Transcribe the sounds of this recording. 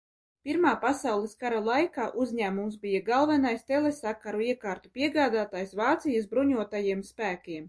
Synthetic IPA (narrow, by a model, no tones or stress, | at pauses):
pʲiɾmaːpasawlˠiskaɾalˠajkaːʔuzʲɲæːmumsbijaɡalˠvɛnajst̪elesakaɾuiɛkɑːɾt̪upʲiɛɡaːd̪aːt̪aːjsvɑːt̪sijas̬bɾuɲuɔt̪ajiɛmspæːkʲiɛm